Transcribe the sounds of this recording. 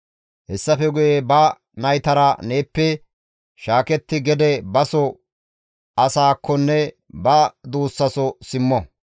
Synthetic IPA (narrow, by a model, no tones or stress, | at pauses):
hɛsːɐfɛɡʊjebɐ | nɐjt̪ɐɾɐneːpːɛ | ʃaːkɛt̪ːɪɡɛd̪ɛbɐsɔ | ɐsaːkʰːɔnːɛ | bɐd̪uːsːɐsɔsɪmːɔ